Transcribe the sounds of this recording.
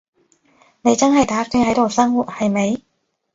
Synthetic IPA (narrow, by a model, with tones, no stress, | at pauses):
ne˨˧jt͡sɐ˥nɦɐ˨jt̪aː˨˥kyː˥ŋhɐ˨˥jt̪o˨wsɐ˥ŋwu˨˩t̚hɐ˨jme˨˧j